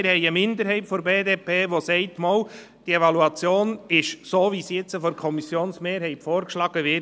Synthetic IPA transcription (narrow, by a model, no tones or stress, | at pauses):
ɪɾhɛɪəmɪnd̪əɾɦɛɪtfɔɾbeːdeːpʰeːʋosɛɪtmɔːl | d̥ievɑluɑt͡sjoːnɪʃsoːʋisjɛt͡səfɔɾkʰɔmisjoːnsmeːɾɦɛɪtfɔːɾkʃlɑɡ̥əʋɪ